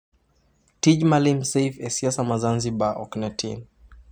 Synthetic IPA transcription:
tiʄmalimsɛjfɛsiasamazanziɓaʔɔknɛtʰin

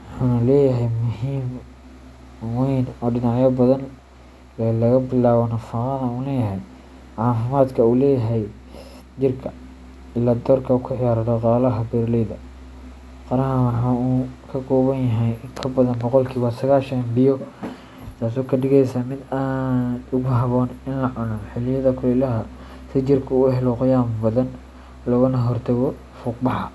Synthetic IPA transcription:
wɑħanlɛːjɐɦɛjmʊhiːm | wɛjnɔːɖɪnɑʕjɐbɐðɐn | lɐɣɐbɪlaːβɔnɐfɑqɑðɐuːlɛːjɐɦɛj | ʕɑːfɪmaːd̪kʰɐuːlɛːjɐɦɛj | t͡ʃɪrkʰɐ | ɪlːaːd̪ɔːrkʰɐukʰʊʕɪjaːɾɐɾɔqɑːlɐɦɐbɛɾlɛjðɐ | qɑɾɐɦɐwɑħɑːuːkʰɐkʰɔːβɐnjɐɦɛjŋkʰɐbɐðɐnbɔqɔlkʰiːwɑːsɐɣaːʃɐnbɪjɔ | t̪ʰaːs̬ɔːkʰɐɖɪɣɛjsaːmɪd̪aːnʊɣʊɦɑβɔːnɪnlɐʕʊnɔħɪlɪjɐðɐkʰʊlɪlɐɦɐ | sɪt͡ʃɪrkʰɐʊɦɛlɔqʊjaːmbɐðɐn | lɔɣɐnɐɦɔrt̪ʰɛɣɔ | fuːqbɑħɑ

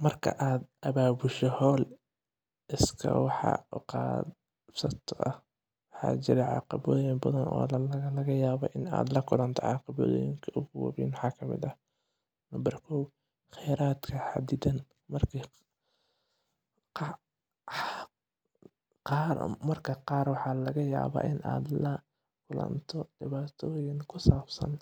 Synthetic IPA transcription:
mɐrkʰɐ̰ʔaːd̪ʔɐβaːbʊʃɔhɔːl | ɪskʰɐ̰wɑħɑ̰ʊqɑː | sɐt̪ʰɔʔɐh | wɑħɑ̰ːt͡ʃɪɾɛʕɑ̰ːqɑβɔːðjɪmbɐðɐnɔ̰ːlɐɣɐjaːβɔʔɪna̰ːd̪lɐkʰʊlɐnt̪ʰɛ̰ʕɑ̰ːqɑβɔ̰ð̰jɪŋkʰɐʔʊɣʊwɑ̰βḭːnwɑħɑːkʰɐmɪ̰d̪ɐ | nɐmbɐrkʰɔw | χɛjɾaːd̪kʰɐħa̰d̪ɪd̪ɐn | mɐrkʰi | ɑ | qɑːrmɐrkʰɐqɑːrwɑħɑːlɐɣɐjaːβa̰ːʔɪnʔa̰ːd̪lɐ | kʰʊlɐ̰nt̪ʰɔɖ̥ɪβaːt̪ʰɔːjɪŋkʰʊsaːbsɐ̰n

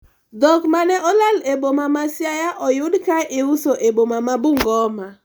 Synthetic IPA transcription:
dɔkmanɛʔɔlalebomamasjajaʔɔjʊdkaʔɪʊsoʔebomamabuŋɡɔma

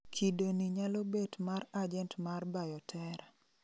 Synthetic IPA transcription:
kʰidoniɲalɔbetmarad͡ʒɛntmarbajɔtʰɛɾa

